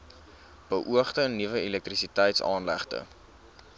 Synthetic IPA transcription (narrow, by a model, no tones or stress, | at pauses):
b̥əʔuəχtəːnːivəɛlɛk̚trisitɛjtsɑːnlæ̰χtə̰